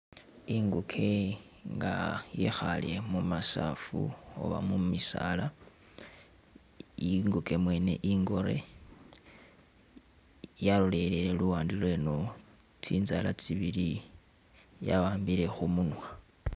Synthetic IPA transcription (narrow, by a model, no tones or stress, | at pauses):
iŋɡukʰe̞ | ŋɡajḛxale̞mumasa̰fṵo̰βa̰mumisa̰la | iŋɡuke̞mwe̞ːne̞̰ʔiŋɡo̞ɾe̞̰ | jalole̞lele̞luwaːndilweno̞ | t͡siːnzalat͡siβili | jaβaːmbile̞xumunwa